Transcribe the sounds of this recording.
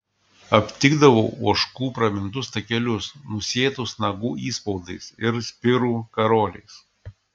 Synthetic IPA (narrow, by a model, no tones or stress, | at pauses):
ɐpʲt̪ʲɪɡd̪ɐʋoʊuɔʃkuːpɾɐmʲɪnt̪ʊst̪ɐkʲɛlʲʊsnʊsʲeːt̪ʊsnɐɡuːʔiːspɔʊd̪ɐɪsɪɾsʲpʲɪɾuːkɐɾoːlʲɛɪs